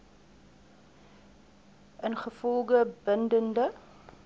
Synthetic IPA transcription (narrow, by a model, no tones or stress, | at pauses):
ʔənχəfɔlˠɡəbəndəndə